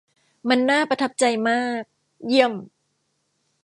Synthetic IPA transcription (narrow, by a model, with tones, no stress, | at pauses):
ma˧nːaː˥˩pɾa˧t̪ʰa˦˥p̚t͡ɕa˧jmaː˥˩k̚ | ji˥˩əm